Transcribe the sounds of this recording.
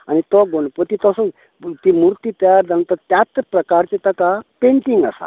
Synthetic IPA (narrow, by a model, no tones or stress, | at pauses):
añit̪ɔɡoɳpot̪it̪ɔsɔ | t̪imuɾt̪iːt̪jaɾd͡zant̪əɾt̪jat̪pɾəkaɾt͡ɕet̪akapẽɳʈiŋɡəsa̰